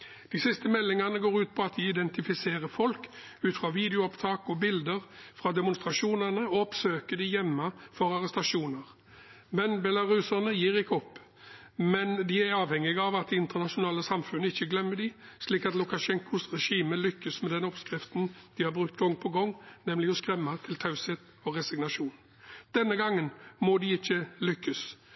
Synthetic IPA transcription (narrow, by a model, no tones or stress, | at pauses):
dd̪̥ɪsɪst̪əmɛlːɪŋɑnəɡoːɾʉːt̪̚pʰɔɑt̪̚d̪ɪɪd̪ɛnt̪ɪfɪseːʁəfɔlk | ʉːt̪fʁɑːʋiːd̪ɛʊɔpt̪ʰɑːkɔbɪld̪əʁfɾɑːd̪ɛmʊnst̪ɾɑʂuːnənəɔɔpsøːkəd̪ɪjɛmːəfɔɾɑʁɛst̪ɑʂuːnəʁ | mɛnbɛlɑʁʉsənəjiːʁɪkːəɔpː | mɛnd̪ɪæɾɑːʋhɛŋːɪɡɑʋɑt̪ɪnt̪ənɑʂʊnɑːləsɑmfʉnːəɪçːəɡlɛmːədɪʂliːkɑt̪lʊkɑʂɛŋkʊsʁɛʂiːməlʏkːəsmɛd̪ɛnɔpskɾɪft̪nd̪̥ɪhɑɾbʁʉkt̪ɡɔŋːpʰɔɡɔŋːnɛmlɪɔskɾɛmːɑt̪ʰɪlt̪ʰɑʉseːt̪ | ɔʁɛsɪɡnɑʂuːn | d̪̥ɛnːəɡɑŋːənmɔd̪ɪɪçːəlʏkːəs